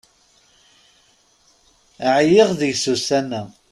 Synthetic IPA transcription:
ʕjɪʁðəʝsusænæ

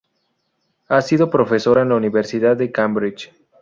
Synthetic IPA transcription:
asið̞o̞pɾo̞fe̞so̞ɾaenlauniβeɾsiðaðːekambɾit͡ʃ

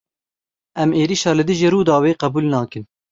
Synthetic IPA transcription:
ʔɛmeːɾiːʃɑːlɨd̪ɨʒiːɾuːd̪ɑːweːqɛbuːlnɑːkɨn

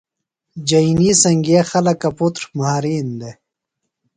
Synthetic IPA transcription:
d͡ʑɐinisɐŋɡexɐlɐkɐput̪ɾmaːɾiːnd̪e

